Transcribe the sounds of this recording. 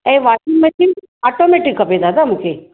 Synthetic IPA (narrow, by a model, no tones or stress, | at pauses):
eʋasiŋmẽt̪ʰi | aʈomeʈikːɐped̪aːd̪am̤ũkʰe